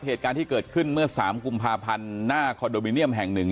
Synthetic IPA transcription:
ɦeː˨˩t̪̚kaː˧nt̪ʰiː˥˩kɤː˨˩t̪̚kʰɯ˥˩nmɯ˥˩ɐsaː˩˦mku˧mpʰaː˧pʰa˧nːaː˥˩kʰɔː˧doː˧mi˧ni˥˩əmɦɛ˨˩ŋnɯ˨˩ŋ

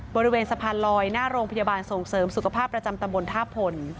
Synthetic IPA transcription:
bɔː˧ɾi˦˧weː˧nsa˧pʰaː˧nlɔː˧jnaː˥˩ɾoː˧ŋpʰa˧ja˧baː˧nso˨˩˦ŋsɤː˩˦msu˨˩kʰa˧pʰaː˥˩pːɾa˧t͡ɕa˧mt̪a˧mbo˧nt̪ʰaː˥˩pʰo˨˧n

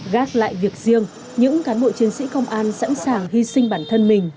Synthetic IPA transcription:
ɣaː˦˥t̚la̰ː˧˨jvi˨˩ək̚zi˧əŋ | ɲɨ̰˧˥ŋkaː˨˦nɓo̰˧˨t͡ɕi˨˦ənsḭ˧˥kə˧wŋ͡mʔaː˧nsa̰˧˥nsaː˨˩ŋhi˧sï˧ŋɓaː˧˩nt̪ʰə˧nmï˨˩ŋ̟

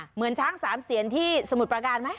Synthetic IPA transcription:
mɯ˩˦ənt͡ɕʰaː˦˥ŋsaː˩˦msi˩˦ənt̪ʰiː˥˩sa˧mu˨˩t̪̚pɾa˧kaː˧nma˦˥j

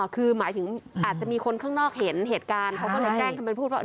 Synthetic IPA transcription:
kʰɯː˧maː˩˦jt̪ʰɯ˩˦ŋʔaː˨˩t̪̚t͡ɕa˨˩miː˧kʰo˧nkʰaː˥˩ŋnɔː˥˩k̚he˩˦nɦeː˨˩t̪̚kaː˧nkʰa˦˥kɔ˥˩lɤː˧jklɛː˥˩ŋk̪ʰa˧ma˧npʰuː˥˩waː˥˩˧

